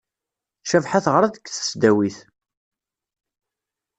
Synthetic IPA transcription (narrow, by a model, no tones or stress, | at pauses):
ʃævħaθʁɾˤaðəkːθə̥sd̪æwiθ